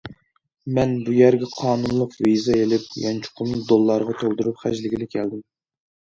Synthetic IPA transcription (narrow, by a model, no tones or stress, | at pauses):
mɛnbujɛɾɡʲɛqʰɑːnunlˠʊqvizɨelɪp̚jɑnt͡ʃʰu̥qʰʊnd̪olˠːɑɾʁɑt̪ʰolˠd̪uɾupχæ̰d͡ʒlɪɡʲilɪkʲʰɛld̪ɪm